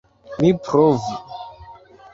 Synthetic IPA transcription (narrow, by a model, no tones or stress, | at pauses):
mipʰɾɔvi